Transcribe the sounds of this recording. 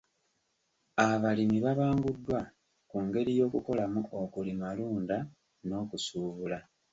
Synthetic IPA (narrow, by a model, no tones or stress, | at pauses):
aβalimiβaβaːŋɡudːwa | kuŋɡe̞ɾijo̞ːkuko̞lamuʔokulimaluːnda | no̞ːkusuːβula